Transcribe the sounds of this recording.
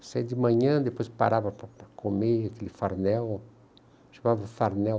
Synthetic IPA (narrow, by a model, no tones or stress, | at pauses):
sajd̪ɪmɐ̃ɲɐ̃d̪epojspa̰ɾavɐpɐpɐkʰomeakelɪfaɾnɛw | ʃamavɐfaɾnɛ